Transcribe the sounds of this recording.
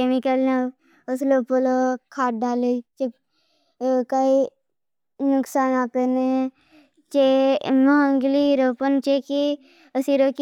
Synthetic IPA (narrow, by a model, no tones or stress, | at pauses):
emikəlna | əsloːpolokʰaːʈ̚ɖaːlet͡ʃe | kai | nʊksaːnaːpene | t͡ʃemɐəŋɡliɾoːpənt͡ʃeki | əsiɾoːk